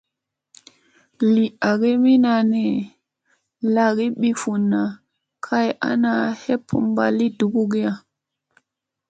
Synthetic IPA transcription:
li˨ʔa˨ɡi˦mi˦na˨ne˨ | la˨ɡi˦ɓi˦fu˨nːa˨ | kʰa˦jʔa̰˦na˨he˦pʰːṵ˨mba̰˨lːi˦du˨ɡu˦ɡi˦a˨

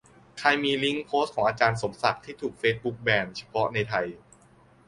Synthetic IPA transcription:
kʰɾa˧jmiː˧li˦˥ŋpʰoː˦˥t̪̚ʰːŋʔaː˧t͡ɕaː˧nso˩˦msa˨˩k̚t̪ʰiː˥˩t̪ʰuː˨˩k̚feː˦˥t̪̚bu˦˥k̚bɛː˧nt͡ɕʰa˧pʰɔ˦˥na˧jt̪ʰa˧j

